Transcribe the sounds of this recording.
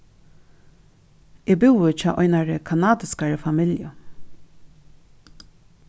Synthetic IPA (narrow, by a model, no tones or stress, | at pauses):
ebɪwət͡ʃʰɑ̰ːʔɔjnaɹəkʰanaːd̪ɪskaɹəfamɪljə̰